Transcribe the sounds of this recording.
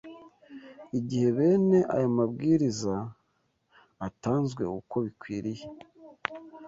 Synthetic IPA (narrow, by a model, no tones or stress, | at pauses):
iɟihe̞βe̞ːne̞ʔa̰jamabɡiːɾiza | taːnzɡwe̞̰uko̞βikwiːɾije